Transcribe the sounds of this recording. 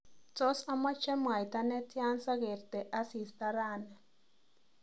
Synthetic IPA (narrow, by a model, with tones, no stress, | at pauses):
t͡sɔ˦sa˦ma˦t͡ʃɛ˦mwa˨jt̪a˦nɛ˦tja˦nsa˦ɣe˨ɾt̪ɛ˨ʔa˦si˨st̪a˦ɾa˦˨nɛ˨